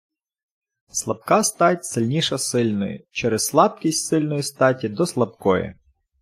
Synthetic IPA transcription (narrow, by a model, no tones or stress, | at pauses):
slˠɐb̚kɑst̪ɑtʲsɪlʲnʲiʃɐsɪlʲnɔ̰jʊ̰t͡ʃɛɾɛsslˠɑb̚kʲisʲtʲsɪlʲnɔjist̪ɑtʲid̪ɔslˠɐb̚kɔjɛ̰